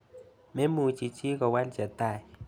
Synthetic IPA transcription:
me˦mu˨t͡ʃi˨t͡ʃɪ˦kɔ˨wa˦ld͡ʒa˨t̪a˨j

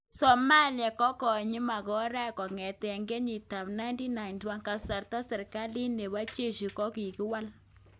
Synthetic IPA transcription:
sɔ˨ma˦lja˨kɔ˦kɔ˨ɲi˦ma˨kɔ˦ɾa˦˨kɔ˨ŋɛ˨tɛ˨ŋɡɛ˦ɲi˨ta˨pna˦jnti˦na˨ɪntwa˦ŋka˨sa˨rta˦sɛ˨rka˦li˦ne˨βa˦t͡ʃe˦ʃi˨kɔ˦ki˨ki˦wa˦l

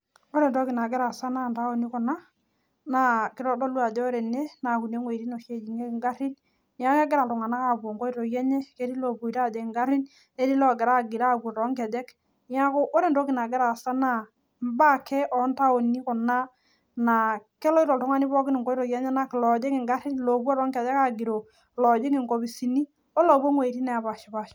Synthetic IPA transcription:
o˦ɾe˨ntɔ˦kɪ˨na˨ɡɛ˦ɾa˨sa˦na˦˨nta˦o˨ni˦kɔ˨na˦ | na˦kɪ˦ɾɔ˦dɔ˦lu˦a˨de˦ɾe˨ne˦na˨ku˨ne˦ŋwe˨ɾi˦no˨ke˦˨d͡ʒi˨ŋe˦kɪ˨ŋɡa˦ɾi˦n | ja˦a˦ɡɛ˦ɾa˨tɔ˨ŋa˨na˦ka˦˨bo˨ŋɡo˦i˦ɾo˨ja˦ɲe˦ke˦ɾi˦lo˨bu˨i˨ɾa˦˨de˨ŋɡa˦ɾi˦n | e˦ɾi˦lɔ˨ɡɛ˨ɾa˦˨ɡi˨ɾa˦˨ɡu˨tɔ˨˦ŋkɛ˨dɛ˦k | ja˦ko˦ʔo˦ɾe˦ndo˦ki˨na˨ɡɛ˦ɾa˨sa˦na˦˨ | m˦ba˦ke˦ʔɔ˨˦nta˦o˨ni˦kɔ˨na˦ | na˨kɛ˦lɔ˦i˦ɾɔ˨ltu˨ŋa˦ni˦bɔ˦kɪ˦ni˨ŋko˦i˦ɾɔ˨jɛ˦ɲɛ˦na˦ki˨lɔ˨d͡ʒe˦ŋi˨ŋɡa˦ɾi˦nlo˨bo˦ɾɔ˦ŋke˨dɛ˦ka˦ɡi˨ɾo˨ | lɔ˨d͡ʒe˦ŋɪ˨ŋko˨bi˨si˨ni˦ | o˦lo˨bo˦ŋwe˨ɾi˦nɛ˨a˨ba˨ʃi˨ba˨ʃ

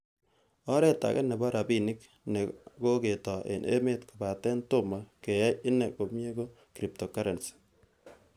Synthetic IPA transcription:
ɔ˦ɾɛ˦ta̰˨kɛ̰˦ne˨ba˦ɾa˨bi˦˨nɪ˦k | ne˨ko˦ke˨tɔ˨ḛ˨nʔḛ˦me˦tko˨ba˨tɛ˦nto˦˨ma˨ke˨ja˦jɪ˦ne˨ko˨mje˦ko˦ | kɾi˨p̚to˨ka˦ɾe˨nsi̥

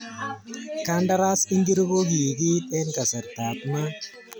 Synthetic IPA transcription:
ka˦nda˦ɾa˦si˦ŋɡi˦ɾɡo˦ɡi˨ɡi˦tɛ˦nka˨sɛ˨ɾt̪a˨pna˦

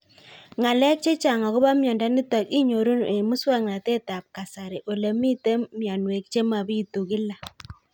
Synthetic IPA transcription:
ŋa˨lɛ˦k̚t͡ʃe˦t͡ʃa˨ŋa˨ɣo˦ba˦mjɔ˨nda˦ni˦tɔ˨ki˦ɲo˨ɾu˦ne˨mu˦swa˦ŋna˨te˦t̪a˨p̚ka˨sa˨ɾe˨ʔo˨le˨mi˦te˦mja˨nwe˨k̚t͡ʃe˦ma˨bi˦tu˨ɣɪ˦la˨

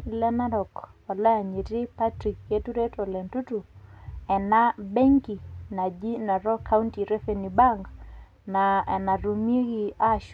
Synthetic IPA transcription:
lɛ˦na˦ɾɔ˨kɔ˨lɛ˦a˨ɲe˨tɪ˦pa˦tɾi˨kje˦tu˦ɾe˦tɔ˨lɛ˨ntu˦tu˨ɛ˨na˦be˦ŋki˨na˨d͡ʒi˦na˨ɾɔ˦kʰa˦unti˨ɾe˦fe˨ni˨ba˦ŋɡ | na˨ɛ˨na˨ɾu˨mi˦e˦ɡi˦a˦ʃ

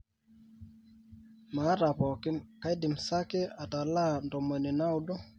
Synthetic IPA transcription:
ma˨˦ɾa˨pɔ˨kɪ˦mka˦jdɪ˨msa˦kɛ˦a˨ta˨la˦ndɔ˨mwɛ˨nɪ˨na˦u˦dɔ˦

